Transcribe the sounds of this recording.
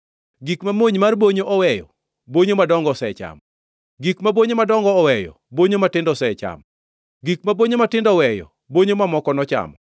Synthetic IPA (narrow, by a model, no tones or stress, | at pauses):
ɡikmamoɲmarboɲoʔɔwɛjɔ̰ | boɲomadɔŋɡɔsɛt͡ʃa̰m | ɡikmaboɲomadɔŋɡɔːwɛjɔ̰ | boɲomatɪndɔsɛt͡ʃa̰m | ɡikmaboɲomatɪndɔwɛjɔ̰ | boɲomamɔkɔnɔt͡ʃa̰mɔ